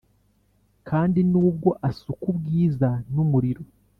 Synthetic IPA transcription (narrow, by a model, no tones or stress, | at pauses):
kʰaːndinuːb̚ɡo̞ʔasukubɡiːzanumuɾiɾo̞